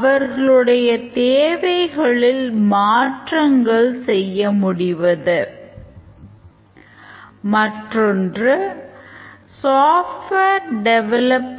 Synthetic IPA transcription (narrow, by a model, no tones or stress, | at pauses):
ʋɐɾɣɐɭɯɽɐjɐt̪eːʋɐɪɣɐɭɪlmaːʈrɐŋɡɐɭsɛjːɐmʊɽɪʋɐðɯ | mɐʈrɔndrɯ | saːfʈʋeɾɖɛʋɛlɐp